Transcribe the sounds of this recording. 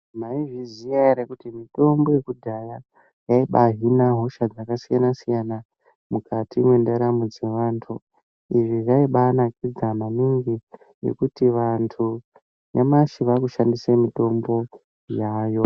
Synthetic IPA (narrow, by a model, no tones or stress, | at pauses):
maiʐizijaɾekutimito̞mbo̞je̞kudʱaja | jaiɓaɦinaɦo̞ʃad͡zakasijanasijana | mukatʰimwe̞ndeɾamud͡ze̞ʋantʰu | iʐiʐaiɓaːnakid͡zamaniŋɡi | jḛkutiʋantʰu | nemaʃiʋakuʃandisemito̞mbo̞ | jaːjo̞